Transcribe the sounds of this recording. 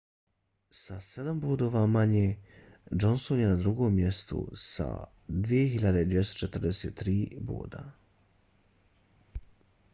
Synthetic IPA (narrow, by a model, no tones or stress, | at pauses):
sase̞d̪amboːd̪o̞ːʋamaɲeːd͡ʒonsonjenad̪ɾuɡo̞ːmːje̞st̪ṵsa̰ | d̪ʋije̞ɦiʎad̪eid̪vjest̪ot͡ʃe̞t̪r̩d̪eseːt̪ːɾiːbo̰ːd̪a̰